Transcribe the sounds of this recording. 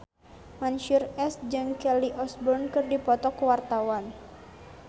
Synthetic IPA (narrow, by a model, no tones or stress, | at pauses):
manʃurɛsd͡ʒɨŋkɛliʔɔsbɔrnkɨrdipɔt̪ɔkuwart̪awan